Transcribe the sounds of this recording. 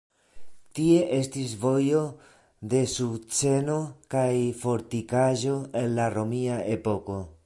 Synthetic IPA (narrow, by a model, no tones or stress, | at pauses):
tie̞ʔe̞stis̬vo̞jo̞ | de̞sut͡se̞no̞kajfo̞ɾtikaʒo̞e̞nlaɾomiae̞po̞ko̞